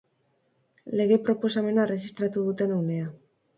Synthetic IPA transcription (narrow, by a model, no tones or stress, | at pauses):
le̞ɣepɾo̞po̞same̞naere̞ɣist̪ɾat̪uðut̪e̞nawne̞a